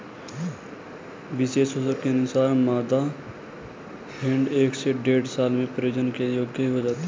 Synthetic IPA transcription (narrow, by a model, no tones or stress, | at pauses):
bɪseːsosəɾkenʊsaːnmaːd̪a | pʰɪ̃ɳɖeːkseɖeːɽsaːlmẽpɾɪd͡ʒənkejoːɡjəɦiɦod͡ʒaːt̪e